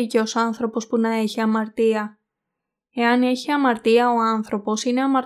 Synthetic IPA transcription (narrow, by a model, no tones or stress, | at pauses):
ice̞o̞sɐnθɾo̞po̞spunɐe̞çiɐmɐɾt̪iɐ | e̞ɐne̞çiɐmɐɾt̪iɐo̞ɐnθɾo̞po̞sine̞ɐmɐ